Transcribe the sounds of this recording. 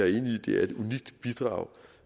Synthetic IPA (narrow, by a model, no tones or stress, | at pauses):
æɐe̝ːnəid̥e̝æɐe̝d̥uniɡ̥̚d̥b̥id̥ʁɑ̈ʊ